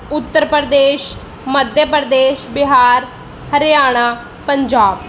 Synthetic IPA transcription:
ʊt̪ːəɾpəɾd̪eːʃ | məd̪ʱjəpəɾd̪eːʃbɪɦaːɾ | həɾɪjaːɽ̃aː | pəɲd͡ʒaːb

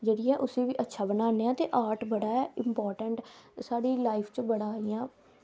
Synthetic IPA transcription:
d͡ʒeːɽɪːɛ̃ːʔʊseːʋiːʔətːʃʰaːbənaːneːãːt̪eːʔaːɾʈbəɽaːɛɪmpɔːɾʈəɳʈsaːɽiːlaːɪpʰt͡ʃəbəɽaːiːjãː

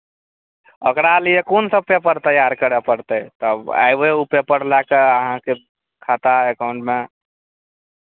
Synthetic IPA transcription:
ə̰kɾaliekonsəbpepəɾt̪əjaɾkəɾepəɾt̪ət̪əba̰jbeupepəɽlakeəɦãke | kʰat̪aekaʊ̃ɳʈme

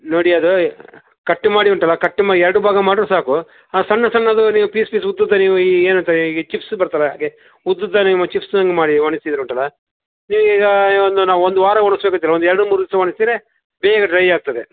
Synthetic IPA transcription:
noːɽiɐd̪u | kɐʈːumaːɽiuɳʈɐlːɐkɐʈːumaːɽiɛɾɐɽubʱaːɡɐmaːɽiɾusaːku | ɐsɐnːɐsɐnːɐd̪uniːʋupiːspiːs̬ud̪ːud̪ːɐniːʋuiːeːnɐnt̪aiɡet͡ʃipsbɐɾt̪alɐja̰ːɡe | ud̪ːud̪ːanimut͡ʃipʰsnɐŋɡemaːɽiʋɐɳist̪id̪ɐɾuɳʈɐlːɐ | niːʋuɡɐond̪unaːʋuond̪uʋaːɾɐʋoɳisbekɐd̪ilːɐond̪uɛɾɐɽumuɾd̪isɐʋɐɳist̪iːɾe | bɛːɡɐʈɾɐjaːɡ̚t̪ɐd̪e

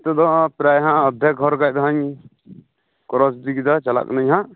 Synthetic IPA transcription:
t̪ɔd̪ɔpɾajɦãɔd̪ʱjɛk̚ːɔɾɡajd̪ɔɦaɲ | kɔɾɔsd̪ikid̪at͡ʃala̰knəɲɦã

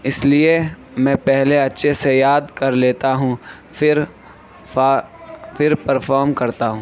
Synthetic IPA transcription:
ɪslie | mɛ̃ːpɛɦleɐtːʃʰesejaːd̪kɐɾleːt̪aɦũ | fɪɾ | fɪɾpɐɾfʰɔːɾmkɐɾt̪aɦũː

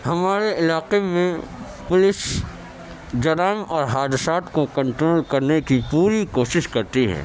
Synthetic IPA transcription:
hɐmaːɾeɪlaːqemẽ | pʊlɪs | d͡ʒɐɾaːɪmɔːɾɦaːd̪ɪsaːt̪kokɐ̃ɳʈɾoːlkɐɾnekipuːɾikoːʃɪʃkɐɾt̪iɦɛ̰̃ː

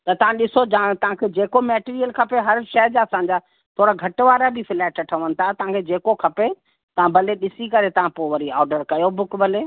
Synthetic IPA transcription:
t̪ɐt̪ɐʋ̤ãɗɪsod͡ʑãt̪ɐʋ̤ãkʰed͡ʑeːkomɛːʈiːɾijəlkʰɐpeɦɐɾʃɐɦd͡ʑaɐsãːɲd͡ʑaː | t̪ʰoːɾaɡʱɐʈʋaːɾabifɪlɛːɪʈʰɐʈʰəʋənɪ̆t̪ʰat̪ɐʋ̤ãkʰed͡ʑeːkokʰɐpe | t̪ɐʋ̤ãbɐleɗɪsikɐɾet̪ɐʋ̤ãpoʋɐɾiaːɖəɾkɐjobʊkbɐle

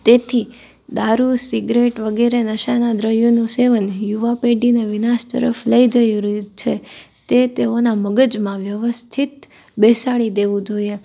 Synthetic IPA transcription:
t̪et̪ʰi | d̪aɾusiɡɾeʈʋəɡɛɾenəʃanad̪ɾəɦjonũseʋənjuʋapeɖineʋinaʃt̪ə̰ɾəfləid͡ʒəjɾt͡ʃʰe | t̪et̪eonaməɡəd͡ʒmãʋjəʋəst̪ʰit̪ | besaɭid̪eʋũd͡ʒoie

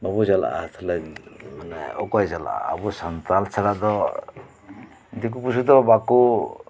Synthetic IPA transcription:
mabud͡ʒala̰ʔat̪ʰɔlɛmanɛ̰ɔ̰kɔjd͡ʒala̰a̰ːbusant̪alt͡ʃʰaɾaʔd̪ɔ | d̪ik̬upusud̪ɔbaku

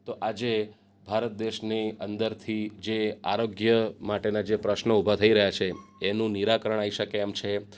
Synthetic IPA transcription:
t̪oʔad͡ʒe | bʱaɾət̪̚d̪eʃniənd̪əɾt̪ʰid͡ʒea̰ɾoɡjəmaʈenad͡ʒepɾəʃnəubʱat̪ʰəiɾəɦjat͡ʃʰeenũniɾakəɾəɳ̃aiʃəkeːmt͡ʃʰe

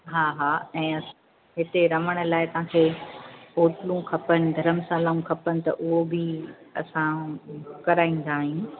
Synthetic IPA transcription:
ɦaːɦaːɛ̃ːɐ | ɦɪt̪eɾɐʋəɽ̃ə̆laːɪt̪ɐɦãːkʰeː | oːʈɪlũkʰɐpənɪ̆d̪ʱɐɾəmsaːlaːũkʰɐpənɪ̆t̪ɐ̰ʔʊɦobɪɐ̰sã | kɐɾaːĩn̆d̪aːɦjũ

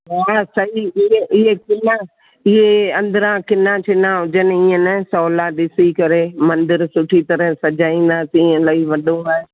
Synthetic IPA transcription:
ɦaːsɐɦiɪɦeʔɪɦekɪna | ɪɦeɐ̃nd̪əɾãkɪnãt͡ʃʰɪnãɦʊd͡ʒənɪ̆iːə̃nɛsɔːlaɗɪsikɐɾemɐ̃nd̪ɪɾsʊʈʰit̪ɐɾəɦsɐd͡ʒaːĩːn̆d̪aːsĩːə̃laiʋɐɗõaːɦe

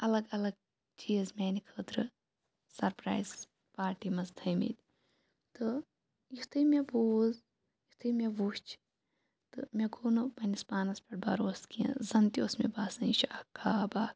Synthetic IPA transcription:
ɐlɐɡɐlɐɡ̚ | t͡ʃiːzmʲeːnikʰəːt̪ɾɨ | sɐɾpɾa̰ːjz | paːɾʈimɐzd̪ʱʰəjmḭt̪ʲ | t̪ɨ | jit̪ʰɨmʲeboːz | jit̪ʰɨmʲeʋuːst͡ʃʰ | t̪ɨmʲeɡʰuːnɨpɐnʲispaːnɐspɐʈ̚bɐɾoːskijɐ̰̃zɐnt̪iosmḛbaːsɐ̃it͡ʃʰɐkʰaːbaː

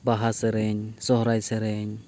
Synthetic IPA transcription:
baɦaseɾeɲsɔɦɾajseɾeɲ

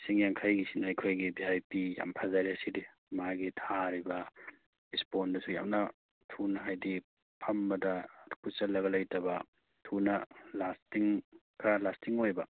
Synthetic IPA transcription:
siŋjaŋkʰajɡisinaajkʰojɡibiajpija̰mpʰazaɾiɐsidi | maɡitʰaɾibɐ | ispondɐsuja̰mnɐ | tʰunɐɦajdi | pʰɐmbɐdɐkʰut͡ʃɐlɐɡɐlɐjtɐbɐ | tʰunɐlastiŋkʰɾalastiŋojbɐ

